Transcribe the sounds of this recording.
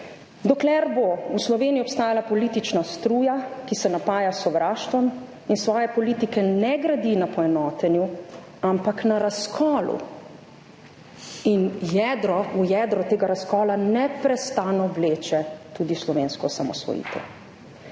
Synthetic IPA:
d̪ɔklɛɾbouslɔʋeːniɔpst̪aːjalapɔliːt̪it͡ʃnast̪ɾuːjakisɛnapaːjasɔʋɾaːʃt̪ʋɔm | insʋɔːjɛpɔliːt̪ikɛnɛɡɾad̪inapɔɛnɔːt̪ɛnju | ampaknaɾaskʰɔːlṵ | injɛd̪ɾɔujɛd̪ɾɔt̪eːɡaɾaskɔːlanɛpɾɛst̪anɔʋleːt͡ʃɛt̪uːd̪islɔʋeːnskɔsamɔ̰sʋɔ̰jḭːt̪ʰɛ̰w

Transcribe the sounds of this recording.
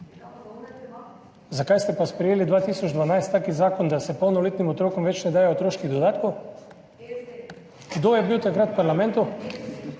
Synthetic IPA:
zakajst̪ɛpaspɾɛjeːlid̪ʋaːt̪iːsɔt͡ʃd̪ʋanajst̪ːaːkizaːkond̪asɛpownɔlit̪nimɔt̪ɾoːkɔmʋɛt͡ʃnɛd̪aːjɛot̪ɾoːʃkiɣd̪od̪aːt̪kow | ɡd̪ojɛbiwt̪akɾat̪paɾlamɛ̃nt̪u

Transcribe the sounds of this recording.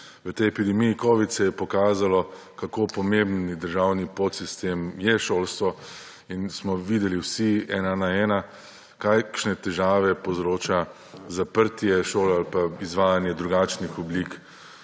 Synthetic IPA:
ʋət̪ɛjɛpid̪ɛmijikoːʋit̪sɛjɛpɔkaːzalɔ | kakopɔmembnid̪əɾʒawnipot̪sist̪eːmjɛʃoːlst̪ʋɔ | insmɔʋiːd̪ɛliwsiɛːnanaɛːna | kakʃnɛt̪ɛʒaːʋɛpɔzɾoːt͡ʃa | zapəɾt̪jɛʃoːlɛalpaizʋaːjanjɛd̪ɾuɡat͡ʃnixɔblik

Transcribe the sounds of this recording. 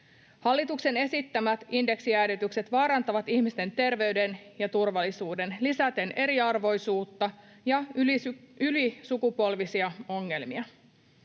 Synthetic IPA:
hɑlːit̪ukse̞ne̞sit̪ːæmæt̪inde̞ksiæːɾyt̪ykse̞t̪ʋɑːɾɑnt̪ɑʋɑt̪ihmist̪e̞nt̪e̞rʋe̞ɥde̞njɑt̪urʋɑlːisuːde̞nlisæt̪e̞nʔe̞ɾiɑrʋo̞jsuːt̪ːɑ | jɑ | ylisukupo̞lʋisiɑo̞ŋːe̞lmiɑ

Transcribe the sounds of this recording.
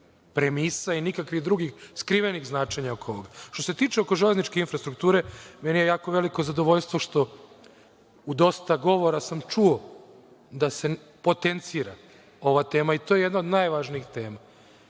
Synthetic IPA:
pɾemiːsainikakʋiɣd̪ɾuɡixskɾiʋeniɣznaːt͡ʃeɲaokoooɡaʃt̪o̞se̞t̪iːt͡ʃeo̞ko̞ʒelʲeznit͡ʃke̞infɾast̪ɾuk̚t̪uːɾe̞menijejaːko̞ʋe̞liko̞zad̪o̞ʋo̞ʎʲst̪ʋo̞ʃt̪o̞ | ud̪o̞st̪aɡo̞ʋo̞ɾasamt͡ʃuo̞ | d̪ase̞ | po̞t̪ent̪siːɾa | o̞ʋat̪e̞ːmait̪o̞jeje̞d̪naod̪najʋaʒniixt̪e̞ːma

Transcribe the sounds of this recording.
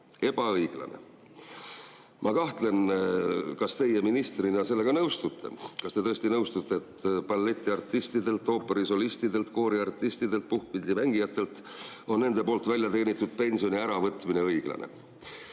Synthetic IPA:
e̞b̥ɑɤjɡ̥lɑ̰ne̞̰ | mʔɑkɑht̪le̞n | kɑst̪e̞je̞minist̪rinɑselːe̞ɡ̥ɑnɤwst̪ut̪ːe̞̰kɑst̪e̞t̪ɤest̪inɤwst̪ut̪ːˑeet̪pɑlːe̞t̪ʲːˑiɑrt̪ːist̪id̪e̞lt̪ːˑo̞ːpːe̞ɾiso̞list̪id̪e̞lt̪ko̞ːɾiɑrt̪ːˑist̪id̪e̞lt̪̚puhkvilʲd̪imæŋɡ̥ijɑt̪ˑːe̞lt̪ | o̞nːe̞nd̪̥e̞po̞ːlt̪ːˑvælʲjɑt̪e̞ːnit̪ːˑud̪̥̚pe̞nʲsio̞niæɾɑvɤt̪ːˑmine̞ɤjɡ̥lɑ̰nʔe̞̰

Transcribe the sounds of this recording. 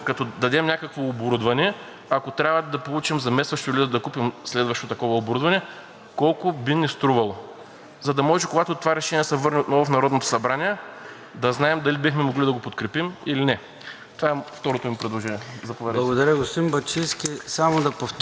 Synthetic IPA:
kɐt̪ɔd̪ɐd̪ɛmnʲakəkvoːboɾud̪vɐnɛ | ɐkot̪ɾʲavɐd̪ɐpolˠut͡ʃimzɐmɛsvɐʃt̪oʊilid̪ɐkupimslɛd̪vɐʃt̪ot̪ɐkɔvɐoboɾud̪vɐnɛ | kɔlˠkʊbinist̪ɾuvɐlˠo | zɐd̪ɐmɔʒɛkoɡat̪ot̪ovaɾɛʃɛnʲiɛsɛvɤɾniot̪nɔvofnɐɾɔd̪not̪o̥sɐbɾaniɛ | d̪ɐznaɛmd̪ɐlibixmɛmoɡlid̪ɐɡopot̪kɾɛpimilinɛ | t̪ovaɛft̪ɔɾot̪omipɾɛd̪lˠoʒɛniɛzɐpovɛd̪ˠɐɡod̪ɐɾʲjəɡost̪imbɐt͡ʃiskʲisamod̪ɐpof

